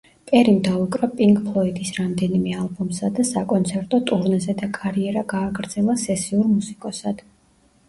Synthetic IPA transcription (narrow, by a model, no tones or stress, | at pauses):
pʼɛɾimd̪aukʼɾapʼiŋɡpʰlˠɔid̪isɾamd̪ɛnimɛalˠbɔmsad̪asakʼɔnt̪sʰɛɾt̪ʼɔt̪ʼuɾnzɛd̪akʼaɾiɛɾaɡaːɡɾd̪z̥ɛlˠasɛsiuɾmusikʼɔsad̪̥